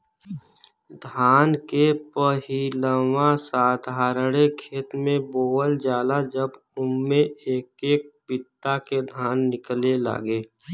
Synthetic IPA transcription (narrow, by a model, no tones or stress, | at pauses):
d̪ʱaːnkepəɦiləwãsaːd̪ʱɦaːɾɽekʰeːt̪mẽboːəld͡ʒaːlad͡ʒəb | ʊmːẽeːkeːk̚pɪt̪ːaked̪ʱaːnːɪklela̰ːɡeː